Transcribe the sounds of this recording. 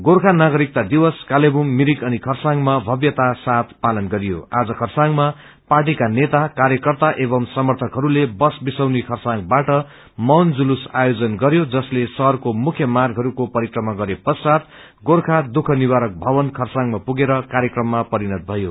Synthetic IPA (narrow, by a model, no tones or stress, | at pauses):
ɡorkʰanaɡʌɾik̚t̪ad̪iwʌskalebumːiɾikʌnikʰʌrsaŋɡmabʱʌbjʌt̪asat̪ʰpalʌnɡʌɾijo̰ad͡zʌkʰʌrsaŋma | parʈ̬ikanet̪akaɾjʌkʌrt̪aʔebʌmsʌmʌrt̪ʰʌkɦʌɾulebʌsbisʌwnikʰʌrsaŋbaʈʌ | mʌnd͡zulusajod͡zʌnɡʌɾjod͡zʌslesʌrkomukʰjʌmarɡʱɦʌɾukopʌɾikrʌmaɡʌɾepʌsat̪̚ | ɡorkʰad̪ukʰʌniwaɾʌk̚bʱʌbʌnkʰʌrsãŋmapuɡeɾʌkaɾjʌkrʌmːapʌɾinʌt̪̚bʱʌjo